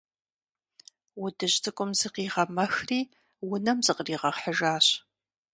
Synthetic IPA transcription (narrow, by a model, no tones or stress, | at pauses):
wʊdɨʑtʰɨkʷʼʊmzɨqiːʁɐmɐxriː | wʊnɐmzɨqriːʁɐχħəʒaːɕ